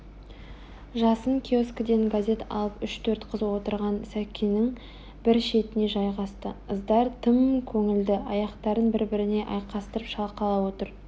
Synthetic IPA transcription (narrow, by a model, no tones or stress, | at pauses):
ʒɑsəŋkʲʰioskd̪e̞ŋɡazʲe̞t̪ɑ̰lˠəpʏʃt̪ʰɵɾt̪qʰəzwo̞t̪əɾʁɑnsækʲʰːinɪŋ | bɪɾʃe̞t̪ɪne̞ʒɑjʁɑst̪əəzd̪ɑɾt̪ʰəmkʲʰɵŋɪld̪ɪʔɑjɑqt̪ɑɾənbɪɾbɪɾɪne̞ʔɑjqɑst̪əɾəpʃɑlˠqɑlˠɑwo̞t̪əɾ